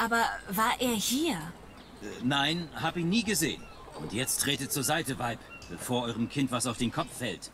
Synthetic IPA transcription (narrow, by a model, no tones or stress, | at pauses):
ʔaːbɐvaːɐʔeːɐhiːɐ | ʔɛnaɪnhaːbəɪçniːɡəzeːən | ʔʊntjɛt͡stʁ̥eːtət̚t͡suːɐzaɪtəvaɪp | b̥əfoːɐʔɔʏʁəmkʰɪntv̥asaʊfd̥eːnkʰɔfːɛlt